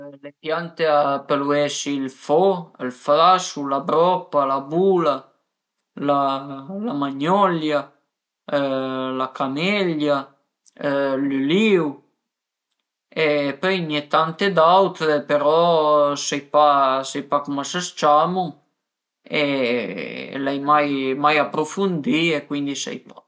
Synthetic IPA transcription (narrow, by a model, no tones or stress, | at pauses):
lepjant̪eapeluɛsilfɔəlfɾasulabɾɔpːalabuːla | lalamaɲɔlja | lakamɛʎːa | lyliw | epœjnɛt̪ant̪ed̪awt̪peɾɔsɛjpasɛjpakumasast͡ʃaːmuŋ | e | lɛjmajmajapːɾofund̪iekwind̪isɛ̰jpḁ